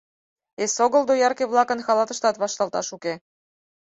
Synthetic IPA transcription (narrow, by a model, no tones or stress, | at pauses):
esoɣɤ̆ld̪ojɑrkeβlˠɑkɤ̆nxɑlˠɑt̪ɤ̆ʃt̪ɑt̪βɑʃt̪ɑlˠt̪ɑ̰ʃuke